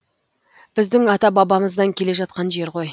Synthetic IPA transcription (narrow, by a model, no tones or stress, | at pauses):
b̥ɪzd̪ɪŋɑt̪ɑbɑbɑməzd̪ɑŋkʲʰe̞le̞ʒɑt̪̚qɑnʒe̞ɾqo̞j